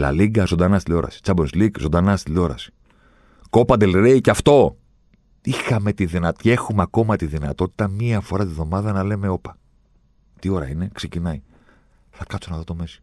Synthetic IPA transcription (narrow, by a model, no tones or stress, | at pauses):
lɐ̰liɡɐzo̞nd̪ɐnɐst̪ilʲo̞ɾʔɐ̰si̥t͡sɐbonslikzo̞nd̪ɐnɐst̪ilo̞ɾɐ̰si̥ | ko̞pɐd̪e̞lɾeiceɐft̪o̞ | ixɐme̞t̪iðinɐt̪e̞xumeɐko̞mɐt̪iðinɐt̪o̞t̪i̥t̪ɐmiɐfo̞ɾɐt̪ivðo̞mɐðɐnɐle̞me̞o̞pɐ | t̪io̞ɾɐ̰ine̞kse̞cinɐi | θɐkɐsonɐðot̪o̞me̞si̥